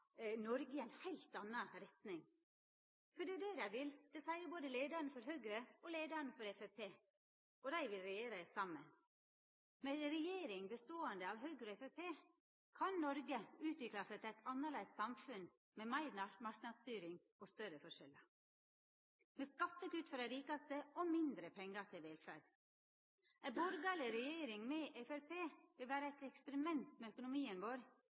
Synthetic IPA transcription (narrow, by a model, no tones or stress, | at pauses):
nɔɾɡəæɪnhæɪlt̪ɑnːɑɾɛt̪nɪŋ | fɔɖɛd̪ɛd̪æɪʋɪld̪̥ɛsæɪəboːd̪əleːd̪əɾnfɔɾɦøːɡɾəɔleːd̪əɾnfɔɾɛfɛpʰeː | ɔd̪æɪʋɪlɾɛjeːɾəsɑmːə̰n | mɛɾɛjeːɾɪŋbəst̪oːənd̪əɑʋɦøːɡɾɔɛfɛpʰeː | kʰɑnnɔɾɡəʉːt̪ʋɪklɑsət̪æɪt̪ʰɑnːɑɭæɪst̪sɑmfʉn | memæɪɾnɑmɑɾknɑd̪st̪yːɾɪŋ | ɔst̪œɾəfɔʂɛlɑ | mɛskɑt̪ːəkʉt̪fɔɾæɾiːkɑst̪əɔmɪnd̪ɾəpʰɛŋːɑt̪ʰɪlʋeːlfæ̰ːɖ | æbɔɾɡɑlɪɾɛjeːɾɪŋmɛʔɛfæɾpʰeːʋɪlʋæːɾəæɪt̪ɛkspəɾɪmɛnt̪mɛœkʊnʊmiːənʋoːɾ